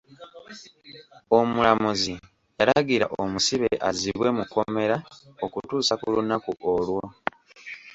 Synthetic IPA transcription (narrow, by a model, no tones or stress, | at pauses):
o̞mulamuzi | eɾaɡiɾaʔomusiβe̞ʔaziβwe̞muko̞me̞ɾaokutuːsakulunːakuʔolwo